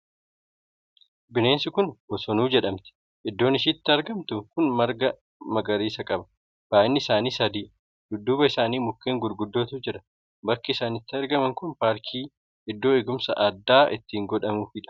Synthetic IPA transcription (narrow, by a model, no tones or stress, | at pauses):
bɪne̞ːnsɪkʊnbɔsɔnuːd͡ʒɛᶑɐmt̪ɪ̥ | ʔɪd̪ːo̞ːnɪʃ̬iːt̪ːɪɐɾɡɐmt̪ʊkʊnmɐɾɡɐ | mɐɡɐɾiːsɐkʼɐbɐ̥ | b̥aːʔɪnːɪɪsaːniːsɐd̪iː | dʊd̪ːuːbɐɪsaːniːmʊkːeːŋɡʊɾɡʊd̪ːo̞ːt̪ʊd͡ʒɪᶑɐ̥ | bɐkːɪɪsaːnɪt̪ːɪɐɾɡɐmɐŋkʊnpaːɾkʰiː | ɪd̪ːo̞ːɪɡʊmsɐ̰ʔɐd̪ːaːʔɪt̪ːiːŋɡɔᶑɐmʊfɪᶑɐ̥